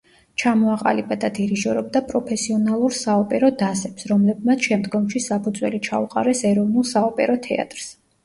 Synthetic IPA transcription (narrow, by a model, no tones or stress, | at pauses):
t͡ʃʰamɔaqʼa̰libad̪ad̪iɾiʒɔɾɔbd̪apʼɾɔpʰɛsiɔnalˠuɾsaɔpʼɛɾɔd̪asɛpsɾɔmlɛb̚mat̪sʰʃɛmd̪ɡɔmʃisapʰud̪zwɛ̰lit͡ʃʰauqʼa̰ɾɛsɛɾɔvnulˠsaɔpʼɛ̰ɾɔt̪ʰɛa̰t̪ʼɾs